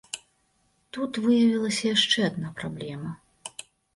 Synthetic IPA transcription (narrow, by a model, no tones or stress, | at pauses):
t̪ut̪vɨjɐvʲilˠɐsʲɐjaʂt͡ʂɛad̪napɾablʲɛmɐ